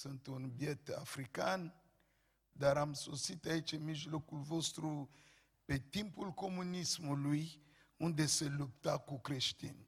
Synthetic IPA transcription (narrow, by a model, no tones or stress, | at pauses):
sɨnt̪unbjet̪a̰fɾikan | d̪aɾamsosit̪ait͡ʃemiʒlokulvost̪ɾu | pet̪impulkomunismuluj | und̪eselup̚t̪akukɾeʃt̪ḭn